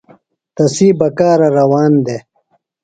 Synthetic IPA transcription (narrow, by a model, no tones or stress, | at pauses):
t̪ɐsiːbɐkaːɾɐɾɐwaːnd̪eː